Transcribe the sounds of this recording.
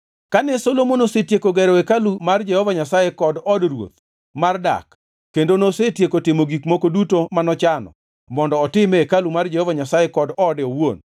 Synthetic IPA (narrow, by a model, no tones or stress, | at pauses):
kanɛsolomonosetjekoɡɛɾɔekalumard͡ʒɛhɔvaɲasajɛkɔdɔdrwo̰t̪ | marda̰kː | endonosetjekotɪmoɡikmokodutomanɔt͡ʃanɔ̰ | mɔndɔːtɪmeekalumard͡ʒɛhɔvaɲasajekɔdɔːdɛowon